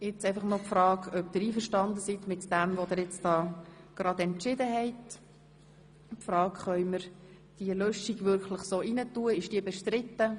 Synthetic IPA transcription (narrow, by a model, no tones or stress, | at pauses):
ɪt͡sɛɪfɑχnɔpfɾɑːɡœpd̥̪ɪɾiːfəɾʃtɑnd̪əsit̪mɪtd̥ɛmvod̪ɪɾjɛt͡sd̥ɑːɡ̥ɾɑd̪ɛntt͡ʃɪdəɦɛɪt | pfɾɑːkχœʏməɾ | d̥iəlœʃiɡvʏɾkləχsoːinətuəɪʃd̥iəbɛʃtɾɪt̪ːə